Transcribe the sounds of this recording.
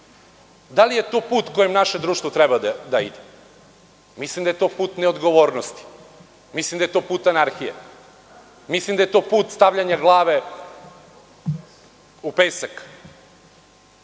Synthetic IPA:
d̪alije̞t̪oːpuːt̪kojemnaʃed̪ɾuːʃt̪vot̪ɾɛbad̪d̪aid̪e | mislimd̪aje̞t̪o̞ːpuːt̪neod̪ɡoʋo̞ːɾnost̪i̥ | mislimd̪aje̞t̪oːpuːt̪anaɾxijḛ | mislimd̪ajet̪o̞ːpuːt̪st̪aʋʎaɲaɡlˠaːʋe | upeːsak

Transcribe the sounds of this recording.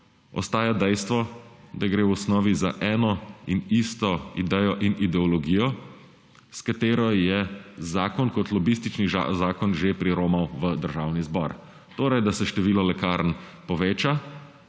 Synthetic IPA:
ɔ̰st̪aːjad̪ɛjst̪ʋɔd̪aɡɾeːwɔsnɔːʋizaʔɛːnɔinist̪ɔid̪ɛjɔʔinid̪ɛɔlɔɡiːjɔ | skat̪eːɾɔjɛzaːkɔnkɔt̪lɔbist̪it͡ʃniʒa̰zaːkɔnʒepɾiɾoːmɔwʋəd̪əɾʒaːwnizbɔ̰ːɾ | t̪oːɾɛjd̪asɛʃt̪ɛʋiːlɔlɛkaːɾnpɔʋeːt͡ʃa

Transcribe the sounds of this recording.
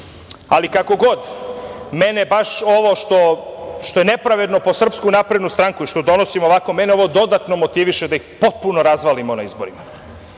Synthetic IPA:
alikako̞ɡo̞d̪menebaʃo̞ʋo̞ʃt̪o̞ʃt̪o̞jene̞pɾaʋe̞d̪no̞po̞sr̩pskunapɾe̞d̪nust̪ɾaŋkuiʃt̪od̪o̞nosimo̞ʋako̞me̞neo̞ʋo̞d̪o̞d̪at̪no̞mot̪iʋiʃe̞d̪aixpo̞t̪̚puno̞ɾazʋalimo̞naizbo̞̰ɾima

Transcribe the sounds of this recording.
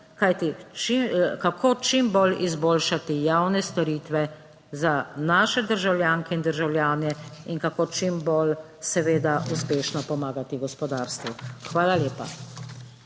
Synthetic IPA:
kajt̪it͡ʃikakʰoːt͡ʃimbolḭzboːlʃat̪ijawnɛst̪ɔɾiːt̪ʋɛ | zanaːʃɛd̪əɾʒawljaːŋkɛind̪əɾʒawljaːnɛiŋkakoːt͡ʃimbol | sɛʋeːd̪aʔuspeːʃnɔpɔmaːɡat̪iɡɔspɔd̪aːɾst̪ʋuxʋaːlaljeːpa̰

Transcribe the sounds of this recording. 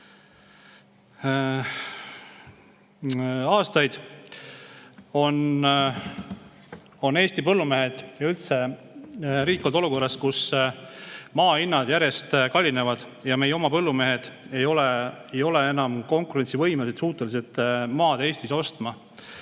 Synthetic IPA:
ɑːst̪ɑjd̪̥ | o̞n | o̞ne̞ːst̪ipɤlːume̞ɦed̪̥jɑylt̪se̞ | ɾiːkːˑold̪o̞luko̞rːɑskus | mɑːinːɑd̪̥jæɾje̞st̪kɑlʲːine̞vɑd̪̥ | jɑme̞jeo̞mɑpɤlːume̞ɦed̪̥e̞jo̞leejo̞lee̞nɑmko̞ŋkuɾensivɤjmelsed̪suːt̪ːˑelis̬et̪ːˑmɑːd̪e̞ːsʲt̪iso̞st̪mɑ

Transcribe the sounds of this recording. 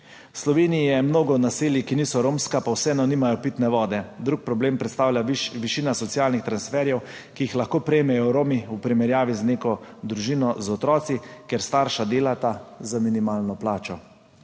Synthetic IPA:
wslɔʋeːnijijɛmnoːɡɔnaseːljikiniːsɔɾoːmskapawsɛnɔniːmajɔpit̪nɛʋɔːd̪ɛd̪ɾuk̚pɾɔbleːmpɾɛt̪st̪aːwlʲjaʋiʃiːnasɔt̪siaːlnixt̪ɾansfɛːɾjɛw | kijixlaxkoːpɾɛjmɛjɔɾoːmiupɾimɛɾjaːʋizneːkɔd̪ɾuʒiːnɔzɔt̪ɾɔːt̪sikeɾst̪aːɾʃad̪eːlat̪azaminimaːlnɔplaːt͡ʃɔ

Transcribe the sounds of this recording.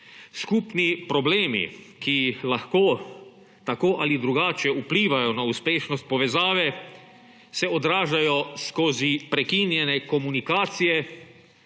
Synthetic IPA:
skuːpnipɾɔbleːmḭkilaxkoː | t̪akoːʔalid̪ɾuɡaːt͡ʃɛupliːʋajɔnauspeːʃnɔst̪̚pɔʋɛzaːʋɛ | sɛɔd̪ɾaːʒajɔskoːzipɾɛkinjɛnɛkɔmunikaːt̪sijɛ

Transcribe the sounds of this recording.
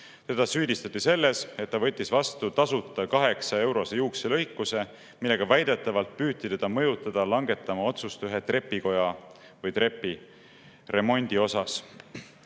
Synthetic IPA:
t̪e̞d̪̥ɑsyːd̪ist̪ɑt̪ːˑise̞lːe̞se̞t̪ːɑvɤ̞t̪ʲːˑisvɑst̪ut̪ɑsut̪ːˑɑkɑɦe̞ksɑe̞wɾo̞sejuːkselɤjkːˑuse̞ | milːe̞ɡ̥ɑvæjd̪̥e̞t̪ːˑɑvɑlt̪̚pyːt̪ːit̪e̞d̪̥ɑmɤ̞jut̪ːˑɑd̪̥ɑlɑŋɡe̞t̪ːˑɑmɑo̞t̪sust̪yɦe̞t̪re̞pːˑiko̞jɑ | vɤjt̪ɾe̞pːˑi | re̞mo̞nʲd̪̥io̞sɑs

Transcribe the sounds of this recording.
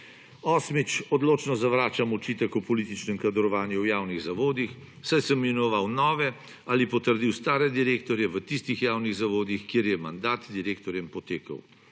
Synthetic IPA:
ɔːsmit͡ʃɔd̪loːt͡ʃnɔzaʋɾaːt͡ʃamɔt͡ʃiːt̪ɛkupɔlit̪it͡ʃnɛmkad̪ɾɔʋaːnjuwjaːwniɣzaʋoːd̪ix | sajsəmːinɔʋawnɔːʋɛ | alipɔt̪əɾd̪iwst̪aːɾɛd̪iɾeːkt̪ɔɾjɛʋət̪ist̪ixjaːwniɣzaʋoːd̪ixkeːɾjɛmand̪aːt̪d̪iɾeːkt̪ɔɾjɛmpɔt̪eːkə̰w

